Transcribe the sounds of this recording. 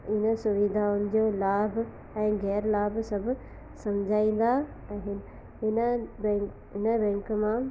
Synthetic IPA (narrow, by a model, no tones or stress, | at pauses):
ɪnə̆sʊʋid̪ʱaʊnɪ̆d͡ʑoːlaːbʱ | ɛ̃ːɣɛːɾlaːbsɐbʱʊ | sɐmd͡ʑʱaːĩːn̆d̪a | ɛ̃ːɦɪn | ɦɪnəbɛ̃ | ɪnəbɛ̃ːŋkmã